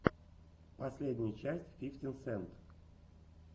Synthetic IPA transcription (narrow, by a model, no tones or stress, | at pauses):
pɐsʲlʲedʲnʲɪjət͡ɕæsʲtʲfʲifʲtʲɪnsɛnt̪